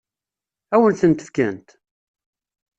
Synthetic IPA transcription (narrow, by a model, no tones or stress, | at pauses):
æwənθənt̪ə̥fkænt̪